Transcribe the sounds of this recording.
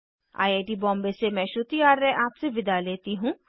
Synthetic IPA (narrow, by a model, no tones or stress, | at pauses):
a̰ːiaːʈiːbɔ̃ːmbesemɛ̃ːʃʊt̪iaːɾːɛʔaːpseʋɪd̪aleːt̪iɦũː